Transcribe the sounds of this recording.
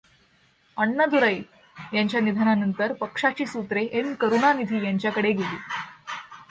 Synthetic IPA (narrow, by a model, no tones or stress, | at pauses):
əɳːəd̪uɾəj | jaɲt͡ɕjanid̪ʱananənt̪əɾpəkʂat͡ɕiːsut̪ɾeʔenkəɾunanid̪ʱiːjaɲt͡ɕjakəɽeɡelḭː